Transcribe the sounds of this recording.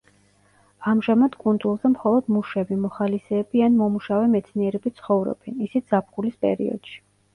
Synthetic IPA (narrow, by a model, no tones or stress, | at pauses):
amʒamad̪̥kʼund̪zulˠzɛmχɔlˠɔd̪muʃɛbimɔχalisɛːbianmɔmuʃavɛmɛt̪sʰniɛɾɛbit̪sʰχɔvɾɔ̰b̥ɛnisit̪z̥ap̚ʰχulispʼɛ̰ɾḭɔ̰d̪̥ʃi̥